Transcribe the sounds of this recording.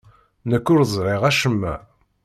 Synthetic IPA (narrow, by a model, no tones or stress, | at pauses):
nəkːʊɾzˤɾˤeʁæʃəmːæ̰